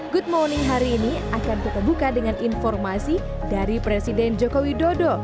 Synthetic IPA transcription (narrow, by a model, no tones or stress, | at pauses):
ɡut̪̚moniɦaɾiːniakankit̪abukadəŋaninfɔrmasi | daɾipɾesidɛnd͡ʒokowidodo